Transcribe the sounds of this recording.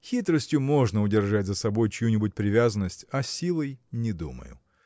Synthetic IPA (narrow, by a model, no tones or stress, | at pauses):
xʲit̪ɾəsʲtʲjʊmo̞ʐnəʊdʲɪrʐatʲzəsɐbo̞jt͡ɕɪjunʲɪbʊt̚ʲpɾʲɪvʲazənːəsʲtʲɐsʲilˠəjnʲɪd̪umə̰jʊ̰